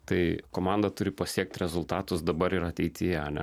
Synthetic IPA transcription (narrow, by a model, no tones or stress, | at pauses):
t̪ɐɪkoːmɑːnd̪ɐt̪ʊɾʲɪpɐsʲiɛk̚t̪ʲɾʲɛzʊlˠt̪ɑːt̪ʊsd̪ɐbɐɾɪɾɐt̪ʲɛɪt̪ʲɪjɛɐnʲɛ̰